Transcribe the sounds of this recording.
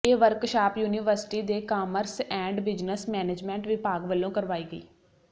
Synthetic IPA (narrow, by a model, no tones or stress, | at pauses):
eːʋəɾkʃaːpjuːniːʋəɾsɪ̥ʈiːd̪eːkaːməɾsɛ̃ːɳɖbɪd͡ʒnəsmɛːneːd͡ʒmɛ̃ːɳʈʋɪpaːɡʋəlːõːkəɾʋaːiːɡəḭː